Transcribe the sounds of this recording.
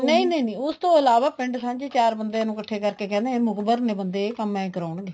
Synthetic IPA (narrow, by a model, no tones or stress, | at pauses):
nəĩːnəiːnĩːʊst̪õːɪlaːʋaːpɪ̃ɳɖsãːd͡ʒt͡ʃaːɾbənd̪eːnũːkəʈʰːeːkəɾkeːkɛ̃ːnd̪eẽːmʊkbəɾneːbənd̪eːkəmɛ̃ːkəɾaːʊɳɡeː